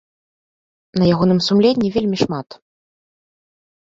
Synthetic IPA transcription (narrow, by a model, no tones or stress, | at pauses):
nɐjaɣɔnɨmsumlʲenʲːivʲelʲmʲiʂmat̪